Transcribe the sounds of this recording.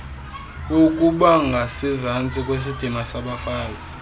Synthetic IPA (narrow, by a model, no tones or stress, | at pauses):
uk̬ʼuɓaŋɡʱasizant͡sʼikʼwes̬id̥ʱimasaɓafaːzi